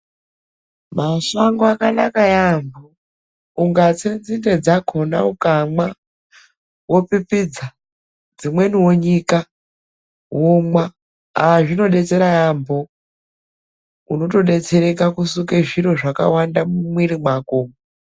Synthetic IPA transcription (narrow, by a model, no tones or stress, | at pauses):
masaŋɡoakanakajambo | uŋɡat͡send͡zinde̞d͡zakʰo̞na̰ukamwa | wo̞pipid͡za | d͡zimwe̞niwoɲika | womwa | aʐino̞ɗe̞t͡se̞ɾajambo | uno̞to̞ɗe̞t͡se̞ɾe̞kakusukeʐiɾo̞ʐaka̰wandamumwiɾimwakoːmo